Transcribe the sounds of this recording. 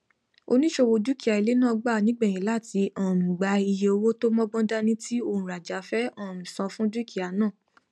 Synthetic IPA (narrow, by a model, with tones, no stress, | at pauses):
o˧nĩ˦ʃo˦˧wo˧du˦ki˦˨a˨i˨˧le˦nãː˦˨˧ɡ͡ba˦˨nĩ˦ɡ͡bɛ˦˨j̃ĩ˨la˦˨ti˧˦ɔ̃˨mĩ˨ɡ͡ba˧˦i˧je˧o˧wo˦to˦mɔ̃˦ɡ͡bɔ̃˦da˦nĩ˦ti˦o˧˨ũ˨ɾa˨d͡ʒa˨˦fɛ˦ɔ̃˦˨mĩ˨sɔ̃˨˧fũ˦du˦ki˨a˨˦nãː˦˨